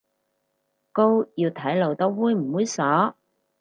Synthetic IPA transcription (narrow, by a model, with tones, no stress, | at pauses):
ko˥wjiː˧wt̪ʰɐ˨˥jlo˨wt̪ɐ˥wwuː˨˧jm̩˨˩wuː˨˧jsɔː˨˥